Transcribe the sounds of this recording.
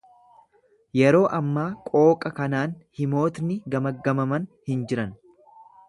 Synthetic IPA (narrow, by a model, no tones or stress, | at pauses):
jɛɾo̞ːʔɐmːaːkʼo̞ːkʼɐkɐnaːnhɪmo̞ːt̪nɪɡɐmɐɡːɐmɐmɐnhɪnd͡ʒɪɾɐn